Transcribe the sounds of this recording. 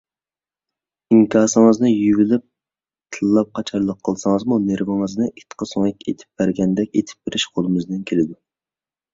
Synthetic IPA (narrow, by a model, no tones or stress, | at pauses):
iŋkʲʰɑːsɨŋəznɨjyɡilɪp̚ | t̪ʰɨlˠːɑp̚qʰɑt͡ʃʰɑɾlˠəqʰːəlˠsɑŋəzmuneɾvɪŋəznɨʔit̪qʰəsoŋɛkʲḛt̪ʰɪ̥p̚b̥æɾɡʲɛnd̪ɛkʲḛt̪ʰɪ̥p̚b̥eɾɪʃqʰolˠɨmɨznɪnkʲʰelɪd̪u